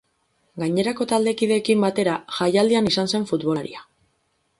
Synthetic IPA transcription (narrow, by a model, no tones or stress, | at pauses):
ɡaɲe̞ɾako̞t̪ald̪e̞kiðe̞ːkimbat̪e̞ɾaʝajald̪ianisanse̞ɱfut̪βo̞ɾḭa